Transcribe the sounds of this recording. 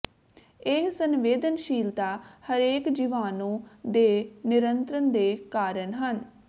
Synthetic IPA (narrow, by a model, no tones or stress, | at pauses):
ɪɦsənʋeːd̪ənʃiːld̪aːhəɾeːkd͡ʒiʋaːnõːd̪eːnɪɾənt̪ɾənd̪eːkaːɾənɦən